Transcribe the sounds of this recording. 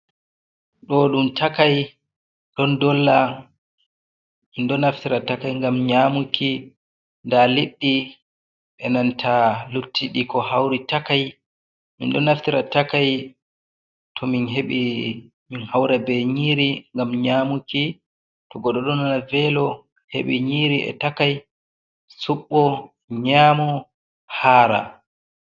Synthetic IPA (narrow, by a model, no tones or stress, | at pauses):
ɗɔɗumtʰakaj | ɗɔndɔlːa | mindɔnaftiɾatakajŋɡamɲamukʰi | ndaliɗːi | ɓɛnantʰalutːiɗikɔhawɾitakaj | mḭnɗɔnaftiɾatakaj | tʰɔminɦeɓi | minhawɾɛbɛɲiːɾiŋɡamɲaːmuki | tɔɡɔɗɔɗɔnanavɛlɔ | hḛɓiɲiɾiʔɛ̰takaj | suɓːɔ | ɲaːmɔ | haːɾa̰